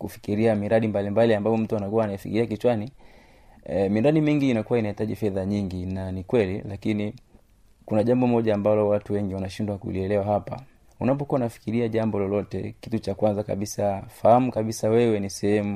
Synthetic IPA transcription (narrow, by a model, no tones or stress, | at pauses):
kufi̥kiɾiamiɾaɗimbalimbaliambaɔm̩tuanakuwaːnaifikḭɾiak̬it͡ʃwani | miɾaɗimiŋɡiːnakuwainahitaʄifɛðaɲiŋɡinanikwɛlilakini | kunaʄambɔmɔʄaːmbalɔwatuwɛŋɡiwanaʃindwakṵliɛlɛwaɦapa̰ | unap̬ɔkuwaunafi̥kiɾiaʄambɔlɔlɔtɛ̰kitut͡ʃakwanzaka̰ɓisafahamukaɓisawɛwɛnisɛhɛmu